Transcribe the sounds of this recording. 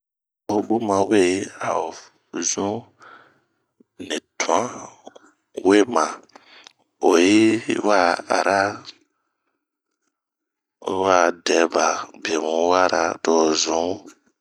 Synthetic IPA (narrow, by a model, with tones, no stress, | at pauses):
o˨ɓo˦mã˨we˦a˨o˨ | zũ˦ | nɛ˨tũ˨ã˦ | we˦mã˨ | o˨ji˦wa˦a̰˨ɾa˦ | wa˦˨dɛ˨˦ba˨be˨wũ˨˦wa˦ɾa̰˦tɔ˨zũ˦